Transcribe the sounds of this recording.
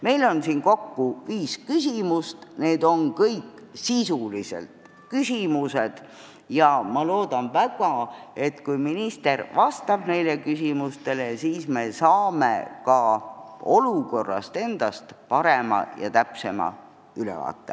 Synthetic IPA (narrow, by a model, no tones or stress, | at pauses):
me̞jlo̞nsiːnko̞kːuviːskysimust̪ne̞ːd̪̥o̞nkɤjkːˑsisulisḛlt̪ | kysimused̪̥ | jɑmɑlo̞ːd̪̥ɑnvæɡ̥ɑe̞t̪kujminist̪e̞rvɑst̪ɑb̥ne̞jlekysimust̪e̞lesiːsme̞sɑːmḛkɑ | o̞luko̞rːɑ̰st̪e̞nd̪̥ɑst̪pɑɾemɑ̰jɑ̰t̪æpse̞mɑ̰ | ylḛvɑ̰ːt̪ːˑḛ